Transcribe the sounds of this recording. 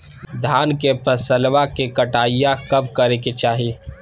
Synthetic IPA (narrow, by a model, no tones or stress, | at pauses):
d̪ʱaːnkepʰəsəlʋakekəʈaːijakɐbkəɾeket͡ʃaːɦie